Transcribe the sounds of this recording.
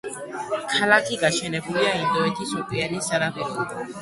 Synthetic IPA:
kʰalakʰiɡaʃɛnɛbuliaimd̪ɔɛt̪ʰisɔkʼwianisaɾabɛdu

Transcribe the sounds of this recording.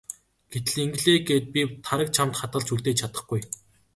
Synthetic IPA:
ɡ̥et̪ɘ̆ɮiŋɡ̆ɮeːɡeːt̪̚pʲit̪ʰaɾə̆k̚t͡ɕʰamt̪χat̪̚ɢə̆ɮt͡ɕʰuɮt̪eːt͡ɕʰat̪ə̆χɡuj

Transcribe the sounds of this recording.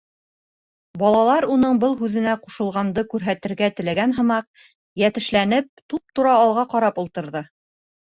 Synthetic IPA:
bɑlˠɑlˠɑɾunɤɴbɤlˠɦʉðɘ̆næquʃɤ̆lˠʁɑnd̪ɤkʉɾɦæt̪ɘ̆ɾɡæt̪ɘ̆læɡænɦɤ̆mɑq̚ | jæt̪ɘ̆ʃlænɘp̚t̪up̚t̪uɾɑːlˠʁɑqɑɾɑpulˠt̪ɤ̆ɾðɤ

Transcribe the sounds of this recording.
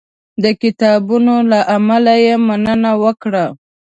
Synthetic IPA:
d̪əkɪt̪ɑbunolaʔamalajemanənawəkɽa

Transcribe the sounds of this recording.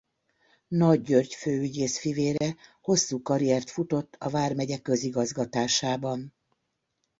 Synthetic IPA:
nɒɟːørɟføːyɟeːsfiveːɾɛho̞sːuːkɒɾiɛrt̪fut̪o̞t̪ːɒvaːrmɛɟɛkːø̞ziɡɒzɡɒt̪aːʃaːbɒn

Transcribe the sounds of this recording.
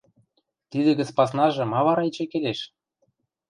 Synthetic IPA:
t̪id̪ĕɡɘ̆t͡spɑsnɑʒɤ̆mɑβɑɾɑet͡ɕĕkeleʃ

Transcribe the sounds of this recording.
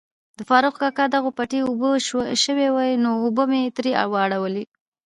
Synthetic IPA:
d̪̥əfɑɾʊxkɑkad̪aɣopaʈiubəʃəwewajnoːbəmet̪ɾia̰wɑɽawəli

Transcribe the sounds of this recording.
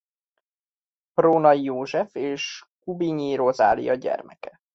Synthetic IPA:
proːnɒjoːʒɛfeːʃ | kubiɲiɾoza̰ːlḭjɒɟɛ̰rmɛkɛ

